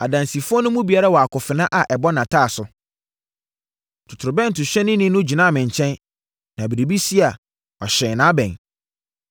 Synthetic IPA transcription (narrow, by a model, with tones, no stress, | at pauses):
a˨dã˨nsi˨fʊ˦ɔ˦nʊ̃˦mũ˦bi˨a˨˦ɾa˦wɔ˨a˨kʰʊ˨fɪ˨nã˦ʔa˨ʔɛ˨bɔ˦nã˨tʰaː˦˨sʊ˨ | tʰʊ˨tʰʊ˨ɾʊ˨bɛ̃˦n̩˨tʊ˨ɕᶣɛ˦nɪ̃˦nɪ̃˦nʊ̃˦d͡ʑi˨nã˦˨mɪ̃˨ɲ˨t͡ɕʰɛ̃˦n | nã˨bi˨ɾe˨bi˦si˦a˨ | ɔ˨ɕɛ̃˨nãː˨˦bɛ̰̃˨n